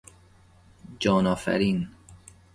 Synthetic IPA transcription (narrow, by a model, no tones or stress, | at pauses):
d͡ʒɒːnɒːfæ̰ɾiːn